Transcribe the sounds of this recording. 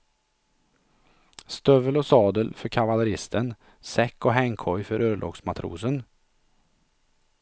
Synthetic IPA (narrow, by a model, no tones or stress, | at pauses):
st̪œvəlɔsɑːd̪əlfœɾkʰavalɛɾɪst̪ʰən | sɛkːɔɦɛŋkʰɔjfœɾøːɭʔɔ̰ːɡsmat̪ʰɾṵːsən